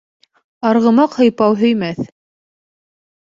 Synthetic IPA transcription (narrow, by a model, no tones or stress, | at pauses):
ɑɾʁɤ̆mɑqhɤ̆jpɑwɦɵ̆jmæθ